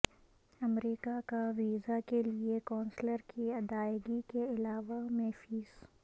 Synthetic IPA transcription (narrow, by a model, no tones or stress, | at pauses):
ɐmɾiːkakaʋiːzakeliekɔ̃ːnsləɾkʰiɐd̪aːjɪɡikeɪlaːʋamɛɦfiːz̥